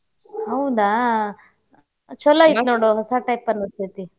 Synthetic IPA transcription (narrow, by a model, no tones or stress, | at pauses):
ɦɐwud̪a | t͡ʃɔlːɐid̪noːɽuɦɔsaʈɐjpɐnːust̪it̪i